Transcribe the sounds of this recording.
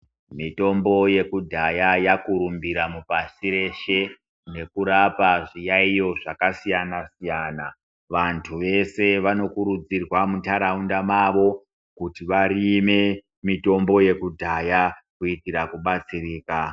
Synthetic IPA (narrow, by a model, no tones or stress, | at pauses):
mito̞mbo̞je̞kudʱajajakuɾumbiɾamupasiɾe̞ʃe̞ | ne̞kuɾapaʐijaijo̞ʐakasijanasijana | ʋantʰuʋe̞se̞ʋano̞kuɾud͡zirwamutaɾaundamaʋo̞ | kutiʋaɾime̞ | mito̞mbo̞je̞kudʱajakuitiɾakuɓat͡siriːka